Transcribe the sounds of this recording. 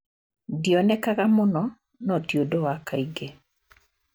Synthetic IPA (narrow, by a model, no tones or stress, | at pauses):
diɔnɛkakamʊnɔ | nɔtjodowakaiɡe